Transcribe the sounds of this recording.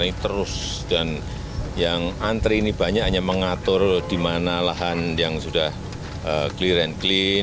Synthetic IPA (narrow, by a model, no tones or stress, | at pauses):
it̪əɾʊs | d̥an | jaŋant̪ɾiːnib̥a̤ɲaʔɲaməŋat̪ʊrd̥imanalaɦanjaŋsudah | əkliɾɛnkli